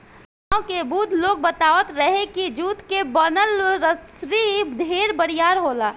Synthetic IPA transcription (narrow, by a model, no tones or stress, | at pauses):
aõkebuːd̪ʱloːɡ̚bət̪aːʋət̪ɾəɦekid͡ʒuːt̪kebənəlɾəsɾid̪ʱeːɾbəɽijaːɾɦoːlaː